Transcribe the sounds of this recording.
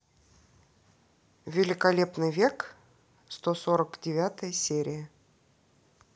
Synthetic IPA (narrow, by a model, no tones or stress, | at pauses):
vʲɪlʲɪkɐlʲe̞pnɨjvʲe̞k | st̪osoɾəkdʲɪvʲat̪əjəsʲeɾʲɪjə